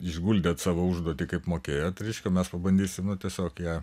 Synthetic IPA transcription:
ɪʒɡulʲd̪ʲeːt̪sɑːʋoːʊʒd̪uɔt̪ʲikɐɪpmoːkʲeːjoːt̪ɾʲɛɪʃʲkʲɛːmʲɛspɐbɐnʲd̪ʲiːsʲɪmnʊt̪ʲiɛsʲoːkjæː

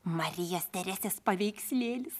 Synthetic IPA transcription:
mɐɾʲɪjɛst̪ʲɛɾʲæːsʲɛspɐʋʲɛɪksʲlʲeːlʲɪs

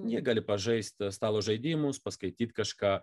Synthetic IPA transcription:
nʲiɛɡɑːlʲɪpɐʒɐɪsʲt̪ʲst̪ɑːlˠoːʒɐɪd̪ʲɪmʊspɐskɐɪt̪ʲiːt̪kɐʃkɑː

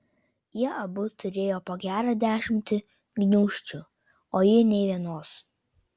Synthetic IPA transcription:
jiɛʔɐbʊt̪ʰʊɾʲeːjoːpoːɡʲæːɾɐd̪ʲæːʃʲɪmʲt̪ʲɪ | ɡnʲʊːʃʲt͡ʃʲʊ | oːjɪnʲɛɪʋʲiɛnoːs

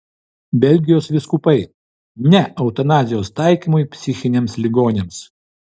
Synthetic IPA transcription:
bʲɛlʲɡʲɪjoːsʋʲɪskʊpɐɪ | nʲɛɐʊt̪ɐnɑːzʲɪjoːst̪ɑˑɪkʲiːmʊjpʲsʲɪxʲɪnʲeːmslʲɪɡoːnʲeːms

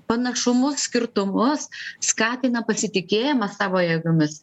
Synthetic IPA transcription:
pɐnɐʃʊmʊssʲkʲɪɾt̪ʊmʊsskɑːt̪ʲɪnɐpɐsʲɪt̪ʲɪkʲeːjɪmɐsɑːʋoːjɛɡʊmʲɪs

